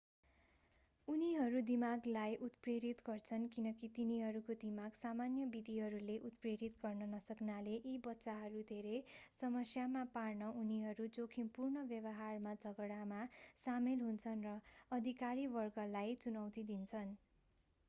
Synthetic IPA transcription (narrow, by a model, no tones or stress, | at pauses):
uniɦʌɾud̪imaɡlajʔut̪preɾit̪ɡʌrt͡sʰʌnkinʌkit̪iniɦʌɾukod̪imaɡsamanjʌbid̪ʱiɦʌɾuleʔut̪preɾit̪ɡʌrnʌnʌsʌknaleʔibʌtːsaɦʌɾud̪ʱeɾejsʌmʌsjamaparnʌuniɦʌɾud͡zokʰimpurnʌbjʌbʌɦarmad͡zʱʌɡɽamasamelɦunt͡sʰʌnrʌʌd̪ʱikaɾibʌrɡʌlajt͡sunʌwt̪id̪int͡sʰʌn